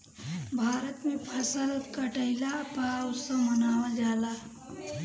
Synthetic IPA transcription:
bʱaːɾət̪mẽpʰəsəlkəʈəɪlapasə̃mənaːwad͡ʒaːlaː

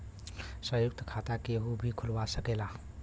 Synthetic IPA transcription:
səjuk̚t̪ʰkʰat̪akeɦubʱikʰulwasəkela

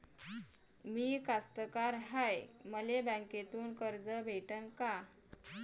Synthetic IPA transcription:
miːkast̪əkaɾɦajməlebə̃ŋket̪uːnkəɾd͡zəbʱeʈənka

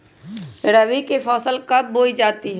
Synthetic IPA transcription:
ɾəʋikepʰɔːsəlkɐb̚ːoːid͡ʒaːt̪iɦɛ

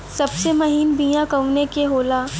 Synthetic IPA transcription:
sɐbsemɐɦiːnbiːjãkɐʋnekeɦoːlaː

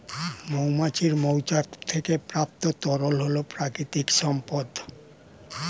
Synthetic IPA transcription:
mowmat͡ɕiɾmowt͡ɕat̪ʰekepɾap̚t̪ot̪ɔɾolɦolopɾakɾit̪ikʃɔmpod̪

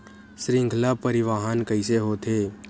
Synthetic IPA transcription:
sɾɪ̃ŋɡʱlapəɾɪʋaːɦankəɪseɦoːt̪ʰeː

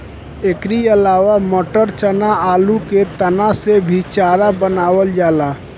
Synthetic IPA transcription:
ekɾiəlaːʋaməʈəɾt͡ʃənaaːluket̪ənasebʱit͡ʃaːɾabənaːwəld͡ʒaːlaː

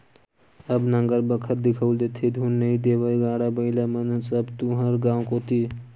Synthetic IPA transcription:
əbnəŋɡəɾbəkʰəɾd̪ɪkʰəwld̪et̪ʰid̪ʱunːəĩd̪ebəɡãːɽabəɪlamənusəbt̪uɦəɾɡãõkot̪ʰi

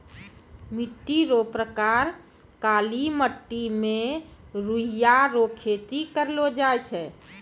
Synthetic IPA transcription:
miʈːiɾopɾəkaɾ | kaliməʈːime | ɾujaɾokʰet̪ikəɾlod͡ʒajt͡ʃʰɛ

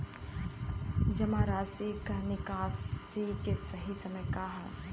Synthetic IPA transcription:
d͡ʒɐmaɾaːsikanɪkaːsikesɐɦisɐməjkaːɦa

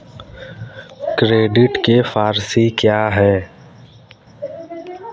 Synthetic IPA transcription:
kɾeːɖɪʈkefaːɾsikjaːɦɛː

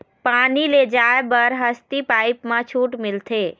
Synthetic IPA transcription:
paniled͡ʒaebəɾɦəst̪ipajpmãt͡ʃʰuʈmilt̪ʰe

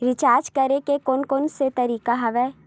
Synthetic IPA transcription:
ɾɪt͡ʃaːɾd͡ʒkɐɾekekoːnkoːnset̪ɐɾiːkaɦɐʋɛː

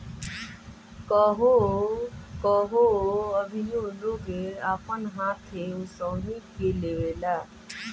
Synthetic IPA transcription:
kɔɦo | kɔɦoəbʱinoloɡeapənɦãt̪ʰeusəwnikelewela

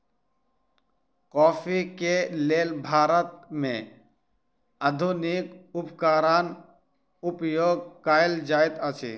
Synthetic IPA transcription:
kɔːpʰikeleːlbʱaːɾət̪̚mḛ̃ | əd̪ʱunikʊpkaːɾaːn | ʊpjoːɡ̚kaːeld͡ʒaːet̪ət͡ʃʰḭ

